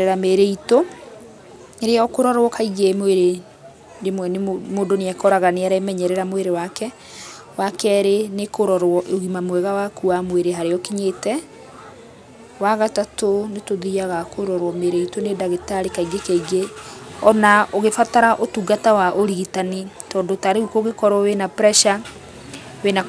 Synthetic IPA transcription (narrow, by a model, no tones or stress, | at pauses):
eɾameɾeito | eɾeɔkoɾɔɾwɔkaiɣemweɾe | demwɛnemoːndoneakɔɾaɣaneaɾaemɛɲɛɾɛɾamweɾewakɛ | wakɛɾenekoɾɔɾwɔʔoɣimamwɛɣawakuamweɾeɦaɾeɔkiɲeːtɛ | waɣatatonetoðiaɣakoɾɔɾwɔmeɾeitonedaɣetaɾekaiɡekaiɡeɔnaoɣefataɾaʔotuɡatawaʔoɾiɣitani | tɔːndotaɾeɣukoɣekɔɾɔwenapɾɛʃa | wena